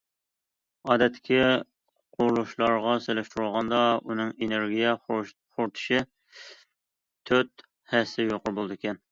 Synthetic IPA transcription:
ɑːd̪ɛt̪ʰːɪ̥kʲi | qʰʊɾlˠuʃlˠɑɾʁɑselɛʃt̪uɾulˠʁɑnd̪ɑunɨŋeneɾɡʲijɛ | χoɾt̪ʰʊ̥ʃɪ | t̪ʰøt̪̚ | hɛsɪjoqʊɾbolˠɨd̪ɨkʲʰɛn

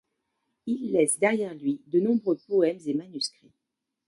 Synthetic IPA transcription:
ilːɛsd̪ɛʁjɛʁlɥid̪ənɔ̃bʁøpɔɛmzemanyskχi

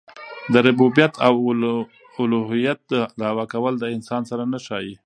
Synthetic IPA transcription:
d̪əɾʊbubjat̪ʰaw | ʊloɦijat̪̚d̪əd̪awakawəld̪əɪnsɑnsaɾanaʃɑji

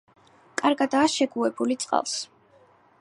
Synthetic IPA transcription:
kʼaɾɡad̪aːʃɛɡuɛbulit̪sʼqʼa̰lˠs

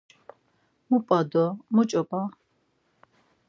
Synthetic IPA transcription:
mupʼad̪ɔmut͡ʃʼɔpʼa

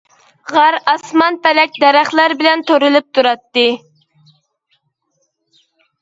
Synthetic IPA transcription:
ʁɑɾɑsmɑnpɛlɛk̚ʲd̪ɛɾæχlˠæɾbɪlɛnt̪ʰoɾɨlˠɨp̚t̪ʰuɾɑt̪ːɨ

